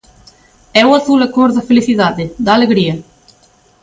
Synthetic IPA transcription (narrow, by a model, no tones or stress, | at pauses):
ɛwaθulakoɾðɐfeliθiðaðed̪aːleɣɾiɐ